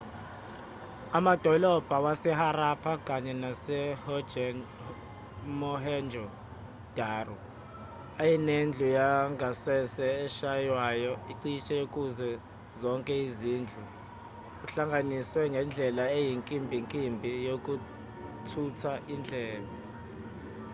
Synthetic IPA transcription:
amad̥ʱɔlɔb̥ʱawasɛhaɾapʰakʼaɲɛnasɛh | mɔɦɛnd͡ʒʱɔ | d̥ʱaːrɔ | ajinend͡ɮʱujaŋasɛsɛːʃajwajɔiǀiʃʼɛjokʼuzɛ | zɔŋkʼɛiziːnd͡ɮʱu | uɬaŋɡʱaniswɛŋɡʱɛnd͡ɮʱɛlaejiŋkʼimbʱiŋkʼimbʱijokʼu | tʰutʰaʔind͡ɮʱɛːlɔ

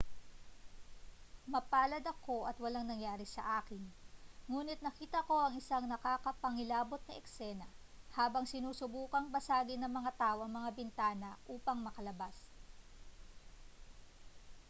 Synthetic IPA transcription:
mɐpaːlɐd̪ɐko̞ʔɐt̪wɐlaŋnɐŋjaːɾɪsɐʔaːkɪnŋuːnɪt̪̚nɐkiːt̪ɐko̞ʔɐŋʔɪsaŋnɐkaːkɐpɐŋɪlaːbo̞t̪̚nɐʔɛksɛnɐ | haːbɐŋsɪnuːsʊbuːkɐŋbɐsaːɡɪnɐŋmɐŋat̪aːʔoʔɐŋmɐŋabɪnt̪aːnɐʔuːpɐŋmɐkɐlɐbas

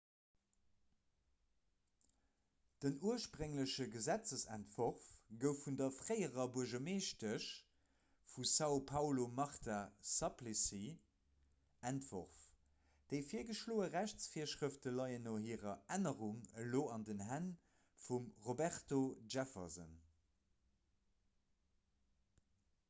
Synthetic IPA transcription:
d̥ənuəʃpʁəŋləʃəɡəzæt͡səsæ̰ntvoʁfɡəʊfːundɐfʀəɪəʁɐbuɐʒɐmeːʃtəʃ | fusɑʊpʰɑʊlomɑʁtʰasɑplisi | æntvo̰ʁf | d̥əɪfiːɐɡəʃloːəʁæɕt͡sfiːɐʃʁəftəlɑɪənoɦiːəʁɐænəʁuŋəloːɑndənɦæn | fumʁobæʁtoʒæfɐ̰zə̰n

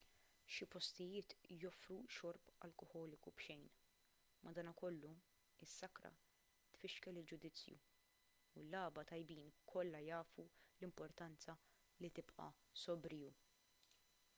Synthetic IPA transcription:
ʃɪpɔst̪ɪjɪːt̪jɔfɾuʃɔɾpɐ̰lkɔhɔːlɪkubʃɛjn | mʔɐd̪ɐːnɐkɔlːu | ɪsːɐkɾɐ̰ | t̪fɪʃkɛlɪld͡ʒʊd̪ɪt͡sːjṵː | lːɐːbɐt̪ɐjbiːnkʰɔlːɐjɐːfulɪmpɔɾt̪ɐnt͡sɐ | lit̪ɪpʔɐ̰ | sɔbɾɪːu

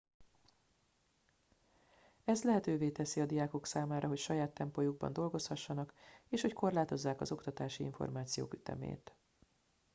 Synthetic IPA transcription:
ɛzlɛɦɛt̪øːveːt̪ɛsiɒd̪ijaːko̞ksaːmaːɾʔɒɦo̞cʃɒjaːt̪ːɛmpojuɡ̚bɒ̰nd̪o̞lɡo̞shɒʃːɒnɒkeːʃho̞ckʰo̞rlaːt̪o̞zːaːkɒzo̞kt̪ɒt̪aːʃiḭɱfo̞̰rmaːt̪sijo̰ːkyt̪ɛ̰mḛːt̪

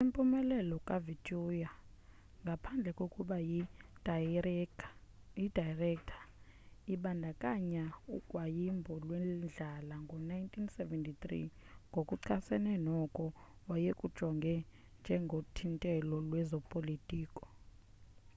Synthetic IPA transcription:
simpʼumɛlɛlɔkʼavitʰʼuja | ŋɡʱapʰand͡ɮʱɛkʼokʼuɓa | idʱajrɛktʰḁiɓandʱakʼaɲaukʼwajimbʱɔlwɛnd͡ɮʱalaŋɡʱɔnajintʰʼinsɛvɛntʰʼit̪ʼrḭŋɡʱokʼuǀʰasɛnɛnɔkʼɔwajekʼud̥ʒ̥ʱɔŋɡʱɛ | nd͡ʒʱɛŋɡʱotʰintʼɛlɔlwɛzɔpʼolitʼiːkʼɔ̥

